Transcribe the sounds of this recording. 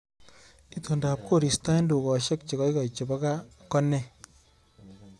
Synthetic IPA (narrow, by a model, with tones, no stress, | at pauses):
i˦to˨nda˨p̚ko˦˨ɾi˨sta˦i˦ndu˨kɔ˨ʃe˦k̚t͡ʃe˨kɔ˦i˦kɔ˨t͡ʃe˨bɔ˦ka˦kɔ˦nɛ˦